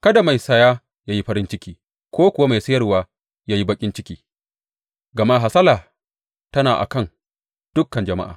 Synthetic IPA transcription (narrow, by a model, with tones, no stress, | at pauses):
kɐ˦da˨ma˨jsɐ˦jaː˦ | ja˦ji˦ɸɐ˦ɾɪ˦nt͡ʃɪ˦kʲiː˦ | kʷʰoː˦kʷʊ˨wa˦ma˨jsɐ˦jɐ˦rwaː˦ | jaː˦ji˦bɐ˦kʲʼɪ˦nt͡ʃɪ˦kʲiː˦ | ɡɐ˨maː˦ɦa˨sɐ˦laː˨ | tɐ˦naː˨ʔa̰˨kɐ˦˨n | d̥ʊ˦kːɐ˨nd͡ʒɐ˨ma̰˦ʔa̰ː˨